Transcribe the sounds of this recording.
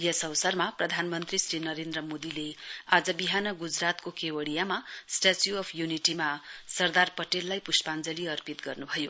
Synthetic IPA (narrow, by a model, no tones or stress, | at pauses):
jʌsʌʋsʌrmaprʌd̪ʱanmʌnt̪risrinʌɾend̪rʌmod̪ilead͡zʌbiɦanʌɡud͡zrat̪kokʰewʌɽijamasʈat͡sjuʌpʰjuniʈimasʌrd̪arpʌʈelːajpusʈpand͡zʌliʌrpit̪ɡʌrnubʱʌjo